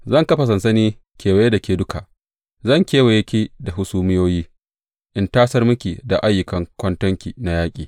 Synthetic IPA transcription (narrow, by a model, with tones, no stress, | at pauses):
zɐ˦˨ŋkɐ˦ɸa˨s̬ɐ˨nsɐ˦niː˦kʲeː˨wa˨je˦da˨kʲeː˨dʊ˦ka˨ʔ | zɐ˦˨ŋkʲeː˦we˨jɐ˦kʲiː˦da˨ɦʊ˦suː˦mɪ˦joː˦jiː˦ | ʔɪ˨ntaː˦sɐ˦rmʊ˦kʲi˨da˨ʔa˦jːʊ˨kɐ˨ŋkʷɐ˦ntɐ˦ŋkʲi˨na˨jaː˦kʲʼiː˨